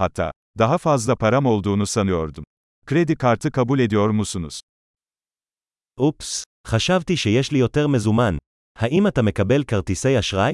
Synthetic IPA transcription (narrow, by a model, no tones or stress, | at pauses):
hat̪ʰːa̰ː | d̪aɦafazlˠapʰaɾamo̞lˠd̪uːnusanɯjo̞ɾd̪um | kɾed̪ikʰaɾt̪ʰɯkʰabulʲe̞d̪ijo̞ɾmusunuz̥ | ʔups | χaʃavt̪iʃejɛʃlijo̞t̪eʁme̞zuman | haʔimat̪ame̞kabe̞lkaʁt̪ise̞jaʃʁaj